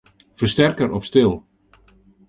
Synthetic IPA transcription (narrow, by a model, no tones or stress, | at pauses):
fərstɛrkəɾɔpstɪlˠ